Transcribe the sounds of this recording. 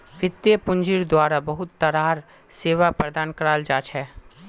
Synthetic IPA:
ʋɪt̪ːjəpʊ̃ɲd͡ʒɪɾd̪waːɾabɐɦʊt̪ːɐɾaːɾ | seːʋapɾɐd̪aːnkəɾaːld͡ʒaːt͡ʃʰɛː

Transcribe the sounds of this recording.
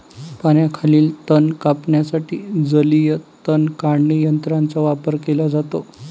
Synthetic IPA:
paɳ̃jakʰaliːlt̪ənkapɳjasaʈḭːd͡zəlijət̪ənkaɳlijənt̪ɾant͡saʋapəɾkelad͡zat̪o

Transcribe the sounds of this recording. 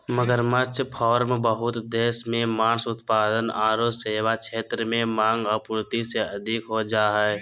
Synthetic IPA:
məɡəɾmət͡ʃʰpʰɔːɾmbəɦʊt̪d̪eːsmẽmaːnsʊt̪paːd̪ənaːɾoːseːwakʃeːt̪ɾəmẽmãːŋɡɔpuːɾt̪iseɐd̪ʱɪkɦod͡ʒaːɦɛɛ

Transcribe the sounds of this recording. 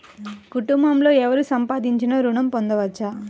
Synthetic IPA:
kuʈumbɐmlo̞ːɛʋɐɾusɐmpaːd̪iɲt͡ʃinɐɾuɳɐmpond̪ɐʋɐt͡ʃːa

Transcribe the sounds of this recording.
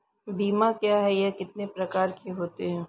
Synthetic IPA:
biːmakjaːɦɛjɛkɪt̪̚nepɾɐkaːɾkeɦoːt̪eɦɛ̃ː

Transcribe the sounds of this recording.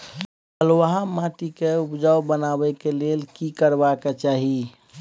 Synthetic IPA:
əlwaɦãmat̪ikeupd͡ʒawbənabɛkelelkikəɾbaket͡ʃaɦi

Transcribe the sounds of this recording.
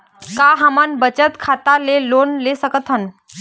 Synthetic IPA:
kaɦamanbət͡ɕət̪kʰat̪alelonlesəkət̪ʰən

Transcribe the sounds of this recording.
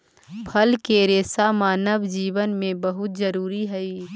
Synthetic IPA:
pʰɐlkeɾeːsamaːnəʋd͡ʒiːʋənmẽbɐɦʊt̪̚zəɾuːɾiɦɛiː

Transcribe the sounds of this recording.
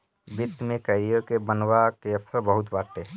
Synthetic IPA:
bɪt̪ːmẽkəɾijokebənwakeɐpsəɾbəɦʊt̪baːʈe

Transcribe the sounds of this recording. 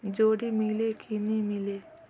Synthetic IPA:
d͡ʒoːɽimɪleːkinĩmɪleː

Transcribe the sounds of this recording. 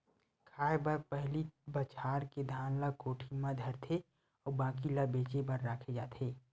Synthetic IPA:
kʰaːebaːɾpɛɦlibət͡ʃʰaːɾked̪ʱãːnlakoːʈʰimãd̪ʱəɾt̪ʰe | ɔːɾbãːkilabeːt͡ʃebəɾːaːkʰed͡ʒaːt̪ʰeː

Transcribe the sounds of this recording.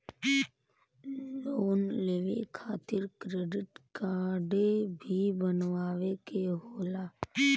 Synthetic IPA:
loːnleːʋekʰaːt̪ɪɾkɾeːɖɪʈkaːɾɖebʱibənʋaːʋekeɦoːlaː

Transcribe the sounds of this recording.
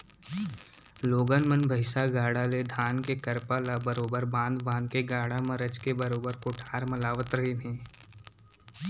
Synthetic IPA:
loːɡənmənbʱɐɪsaɡaːɽaled̪ʱaːnkekəɾpalabəɾoːbəɾbãːnd̪bãːnd̪keɡaːɽamɐɾət͡ʃkebɐɾoːbəɾkoʈʰaːɾmɐlaːʋət̪ɾɐɦenẽː

